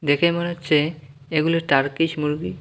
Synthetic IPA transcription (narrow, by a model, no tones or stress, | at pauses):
d̪ekʰemonet͡ʃe | eɡuleʈaɾkiʃmuɾɡi